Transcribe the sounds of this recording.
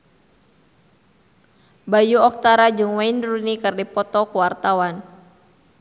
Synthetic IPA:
bajuɔk̚t̪aɾad͡ʒɨŋwainrunikɨrdipɔt̪ɔkuwart̪awan

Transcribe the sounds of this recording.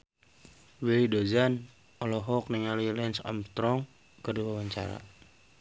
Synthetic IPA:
wilidod͡ʒan | ɔlɔɦɔk̚niŋalilɛnsa̰mt̪ɾɔŋ | kədiwawaɲt͡ʃa̰ɾa̰

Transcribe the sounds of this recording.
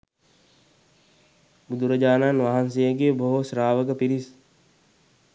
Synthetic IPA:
bud̪uɾɐd͡ʒaːnanʋaɦansejəɡeːboɦosɾaːʋəɡəpiɾis

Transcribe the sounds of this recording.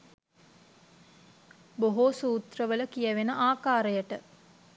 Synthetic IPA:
boɦosuːt̪rəʋələkijəʋenəʔaːkaːɾəjəʈə

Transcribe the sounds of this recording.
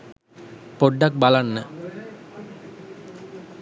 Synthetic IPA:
poɖːak̚balanːə

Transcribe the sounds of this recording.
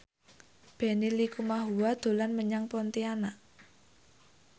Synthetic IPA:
b̥e̤nilikumaɦuwad̪̥o̤lanməɲaŋpɔnt̪iana

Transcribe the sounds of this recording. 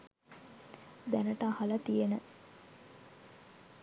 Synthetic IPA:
d̪ænəʈəːhɐlɐt̪ijenə

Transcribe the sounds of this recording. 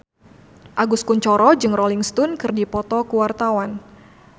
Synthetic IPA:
ʔaɡuskuɲt͡ʃɔɾɔd͡ʒɨŋrɔliŋst̪unkɨrdipɔt̪ɔkuwart̪awan

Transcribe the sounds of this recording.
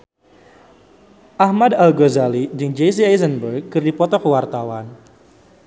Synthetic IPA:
ʔahmadalɡozalid͡ʒɨŋd͡ʒes̬iajzənbərɡ̚kɨrdipɔt̪ɔkəwart̪awan

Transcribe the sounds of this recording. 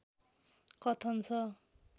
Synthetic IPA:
kʌt̪ʰʌnt͡sʰʌ

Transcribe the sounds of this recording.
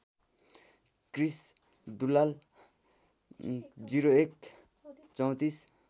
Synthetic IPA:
kris | d̪ulal | d͡ziɾoek̚ | t͡sʌw̃t̪is

